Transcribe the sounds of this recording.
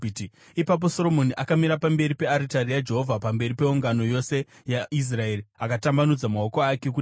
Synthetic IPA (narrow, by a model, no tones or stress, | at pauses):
iti | ipap̬o̞so̞ɾo̞mo̞niʔakamiɾapambe̞ɾipe̞aɾitaɾijad͡ʒe̞ɦo̞vʱapambe̞ɾipe̞uŋɡano̞jo̞se̞ | jais̬rae̞ɾiakatambanud͡zamao̞koake̞k̬u